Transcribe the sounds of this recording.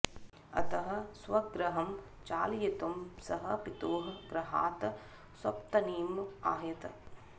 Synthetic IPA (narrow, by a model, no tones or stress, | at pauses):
ɐ̰t̪ɐɦɐ̆sʋɐɡɾɐɦɐm | t͡ʃaːljɐt̪ɐmsɐɦɐpit̪oːɦɐɡɾɐɦa̰ːt̪ɐ | swɐpt̪ɐniːmaːjɐt̪ɐ